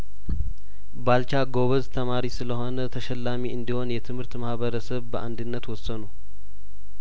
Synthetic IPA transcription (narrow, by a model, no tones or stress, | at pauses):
balt͡ʃaɡo̞βəzt̪ʰəmaɾisɨləho̞nət̪ʰəʃɛlːamiɨnd̪iho̞njɛt̪ʰɨmhɨɾt̪mahβəɾəsəβbəʔa̰nd̪ɨnːət̪wɔsːənow